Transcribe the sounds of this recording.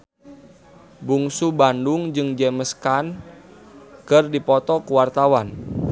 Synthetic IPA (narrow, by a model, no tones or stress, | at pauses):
buŋsubandʊŋd͡ʒɨŋd͡ʒɛməskan | kɨrdipɔt̪ɔkuwart̪awan